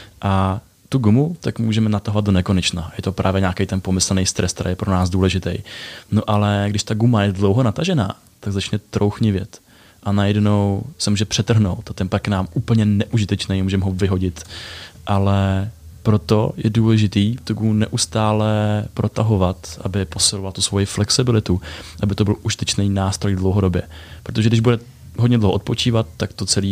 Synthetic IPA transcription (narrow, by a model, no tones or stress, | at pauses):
ʔa | t̪uɡumut̪akmuːʒɛmɛnat̪aɦovat̪̚do̞nɛko̞nɛt͡ʃnajɛt̪opɾʔaːvjɛɲaːkɛjt̪ɛnpo̞mɪsl̩nɛjst̪ɾɛst̪ɾa̰jɛpɾonaːsduːlɛʒɪt̪ɛjnoʔalɛɡdɪʃt̪aɡumajɛdlo̞wɦonat̪aʒɛna̰ː | t̪aɡzat͡ʃnɛt̪ɾowxɲɪvjɛt̪ | ʔanajɛdno̞wsɛmuːʒɛpr̝̥ɛt̪r̩ɦnowt̪at̪ɛnmpaknaːmuːpl̩ɲɛnɛʔuʒɪt̪ɛt͡ʃnɛjmuːʒɛmɦovɪɦo̞ɟɪt̪ʔalɛ | pɾo̞t̪ojɛduːlɛʒɪt̪iːft̪uɡumnɛʔust̪aːlɛpɾʔo̞t̪aɦo̞vat̪ʔa̰bɪpo̞sɪlovalat̪usvo̞jɪflɛksɪbɪlɪt̪uʔabɪt̪obɪlʔuʒɪt̪ɛt͡ʃnɛjnaːst̪ɾojdlowɦo̞do̞bjɛpɾot̪oʒɛɡdɪʒbudɛ | ɦodɲɛdlowoʔot̪̚po̞t͡ʃiːvat̪ːakt̪o̞t͡sɛliː